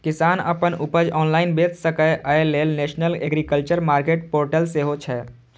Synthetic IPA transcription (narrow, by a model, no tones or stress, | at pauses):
kɪsaːnə̰pənupəd͡ʒɔːnlaːɪnbet̪səkəjʔəelelneʃnəleɡɾikəlt͡ʃəɾmaːɾkeʈ̚poːɾʈəlseɦot͡ʃʰɛ